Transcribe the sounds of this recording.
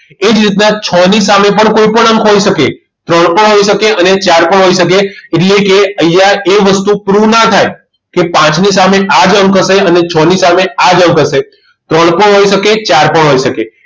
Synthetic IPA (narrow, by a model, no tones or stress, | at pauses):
ed͡ʒɾit̪nat͡ʃʰənisamepəɳkoipəɳəŋkʰɦoiʃəke | t̪ɾəɽ̃pəɳɦoiʃəkeʔənet͡ʃaɾpəɳɦoiʃəkeːʈlekeəjaeʋəst̪upɾunat̪ʰaj | kepãt͡ʃnisameʔad͡ʒəŋkʰəʃeənet͡ʃʰənisamead͡ʒəŋkʰəʃe | t̪ɾəɳ̃pəɳɦoiʃəket͡ʃaɾpəɳɦoiʃəke